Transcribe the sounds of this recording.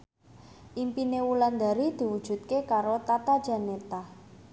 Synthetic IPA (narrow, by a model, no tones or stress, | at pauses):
ʔimpinewuland̪a̤ɾid̪̥i̤wud̥ʒ̥ṳt̪̚kekaɾot̪at̪ad̥ʒ̥a̤net̪a